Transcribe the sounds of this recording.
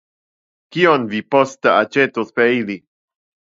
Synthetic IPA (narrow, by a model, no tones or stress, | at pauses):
kionvipostəat͡ʃetospeili